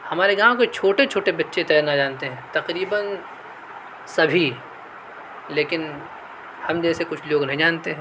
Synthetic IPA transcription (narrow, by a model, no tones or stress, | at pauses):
hɐmaːɾeɡãːʋõket͡ʃʰoːʈet͡ʃʰoːʈebɐtːʃet̪ɛːjɾnad͡ʒaːnt̪eɦɛ̃ːt̪ɐqɾiːbən | sɐbʱi | leːkɪn | hɐmd͡ʒɛːsekʊt͡ʃʰloːɡnɐɦĩd͡ʒaːnt̪eɦɛ̃ː